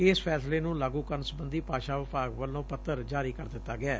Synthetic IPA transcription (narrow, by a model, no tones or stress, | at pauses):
ɪːspʰɛːsleːnũːlaːɡũːkəɾnsəbənd̪iːpaːʃaːʋɪpaːɡʋəlːõːpət̪ːəɾd͡ʒaːɾiːkəɾd̪ɪt̪ːaːɡɪaː